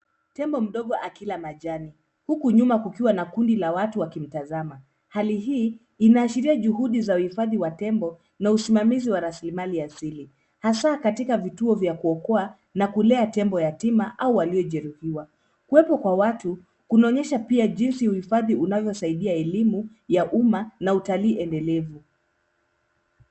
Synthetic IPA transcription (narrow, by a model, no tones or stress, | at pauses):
tɛmbɔm̩ɗɔɠɔʔakilamaʄani | hukuɲumakukiwanakundilawatuwakim̩tazama | haliɦiː | naːʃiɾiaʄuhuɗizauhifaðiwatɛmbɔ | nausimamiziwaɾasilimaliasili | hasakatikavituɔvjakuɔkɔa | nakulɛatɛmbɔjatimaʔauwaliɔʄɛɾuhiwa | kuwɛpɔkwawatu | kunɔɲɛʃapiaʄinsiuhifaðiunavjɔsaiɗiaɛlimu | jaʔumanautaliːʔɛndɛlɛvu